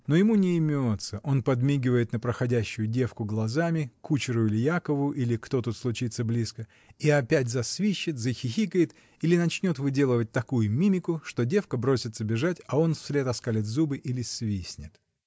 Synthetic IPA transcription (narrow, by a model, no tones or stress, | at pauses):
no̞jɪmunʲɪːmʲot̪səʔo̞npɐd̪mʲiɡʲɪvəjɪt̪nəpɾəxɐdʲæɕːʊjʊdʲe̞fkʊɡlˠɐzamʲɪkut͡ɕɪɾʊɪlʲɪjakəvʊjʊʔilʲɪkt̪o̞t̪ut̪slˠʊt͡ɕit̪sːəblʲiskə | iɐpʲætʲzɐsvʲiɕːɪt̪zəxʲɪxʲikəjɪt̪ | ilʲɪnɐt͡ɕnʲo̞t̪vɨdʲe̞lˠəvət̚ʲt̪ɐkujʊmʲimʲɪkʊʂt̪o̞dʲe̞fkəbɾo̞sʲɪt̪səbʲɪʐatʲɐo̞nfsʲlʲe̞t̪ɐskalʲɪt̪zubɨʔilʲɪsvʲisʲnʲɪt̪